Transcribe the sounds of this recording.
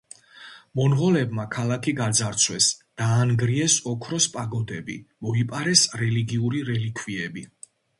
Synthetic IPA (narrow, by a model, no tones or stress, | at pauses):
mɔnʁɔlɛbmakʰalakʰiɡad̪zaɾt̪sʰwɛsd̪̥aːnɡɾiɛsɔkʰɾɔspʼaɡɔd̪ɛbḭmɔipʼaɾɛsɾɛliɡiuɾiɾɛlikʰviɛbi